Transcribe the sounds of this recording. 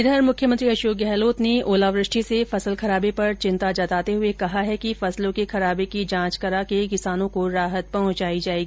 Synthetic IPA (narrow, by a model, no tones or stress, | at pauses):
ɪd̪əɾmʊkʰjəmə̃nt̪ɾiɐʃoːk̚ɡɛɦloːt̪neʔoːlaːʋɾɪʃʈʰisefɐsəlxɐɾaːbepɐɾt͡ʃɪ̃nt̪ad͡ʒɐt̪aːt̪eɦʊekɐɦaɦɛkifɐslõkexɐɾaːbekid͡ʒãːt͡ʃkɐɾakek̬ɪsaːnõkoɾaːɦət̪̚pɐɦʊ̃t͡ʃaːid͡ʒaːeːɡiiː